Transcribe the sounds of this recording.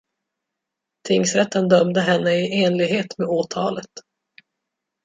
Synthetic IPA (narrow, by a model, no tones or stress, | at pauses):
t̪ʰɪŋsɾɛt̪ːənd̪œmd̪əɦɛnːəɪeːnlɪɡɦeːt̪meːoːt̪ʰɑːlət̪